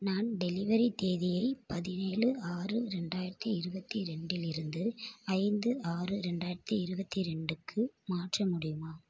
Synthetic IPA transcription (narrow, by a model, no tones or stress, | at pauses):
naːnɖɛlɪʋɐɾit̪eːðɪjɐɪpɐðɪneːɭɯaːrɯɾɛɳɖaːjɪɾɐt̪ːiɪɾɯbɐt̪ːiɾɛɳɖɪlɪɾɯnd̪ɯɐɪnd̪ɯaːrɯɾɛɳɖaːjɪɾɐt̪ːiɪɾɯbɐt̪ːiɾɛɳɖɯkʰːɯmaːʈrɐmʊɽɪjɯmaː